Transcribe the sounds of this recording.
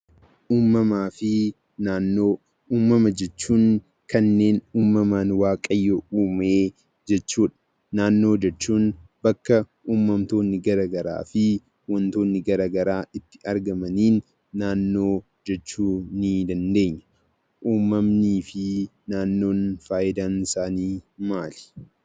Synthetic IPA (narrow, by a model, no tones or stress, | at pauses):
ʔuːmːɐmaːfɪ | naːnːoː | uːmːɐmɐd͡ʒɛt͡ʃːuːŋ | kɐnːe̞ːnuːmːɐmaːnwaːkʼɐjːouːmeː | d͡ʒɛt͡ʃːuːᶑɐ̥ | naːnːo̞ːd͡ʒɛt͡ʃːuːnbɐkːɐ | ʔuːmːɐmt̪o̞ːnːɪɡɐɾaːɡɐɾa̰ːfɪ | wɐnt̪o̞ːnːɪɡɐɾaːɡɐɾaːʔɪt̪ːɪ̥ʔɐɾɡɐmɐniːnː | aːnːo̞ː | d͡ʒɛt͡ʃːuːnid̪ɐnd̪e̞ːɲːɐ̥ | ʔuːmːɐmniːfɪ | naːnːo̞ːnfaːjɪd̪aːnɪsaːniːmaːlɪ̥